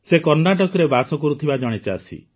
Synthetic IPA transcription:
sekɔɾnaʈ̬ɔkɔɾebasɔkɔɾut̪ʰibad͡ʒɔɽ̃et͡ʃaːsḭ

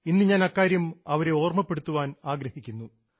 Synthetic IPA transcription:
inːɨɲaːnɐkːaːɾjumɐʋɐɾe̞o̞ːrmɐpːe̞ɽut̪ːuʋaːnaːɡɾɐhikʲːunːu

